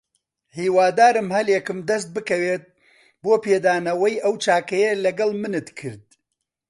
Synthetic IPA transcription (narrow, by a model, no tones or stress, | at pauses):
hiːwaːd̪aːɾɨmhɐljekɨmd̪ɐst̪̚bɨkɐweːt̪̚ | boːpeːd̪aːnɐwɐjʔɐwt͡ʃaːkɐjɐlɐɡɐlˠmɨnɨt̪kʰɨɾd̪̚